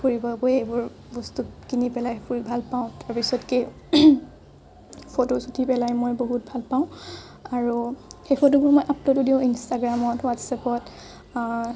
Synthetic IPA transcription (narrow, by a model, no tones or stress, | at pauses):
puɹibɔbɔjebʊɹ | bɔstukinipɛlajpuɹibʱalpaʊ̃taɹpisɔtke | pʰotosutʰipɛlajmojboɦut̚bʱalpaʊ̃ | aɹuxejpʰotobʊɹmɔjʔaplotudiʊ̃instaɡɹamɔtwatsapɔt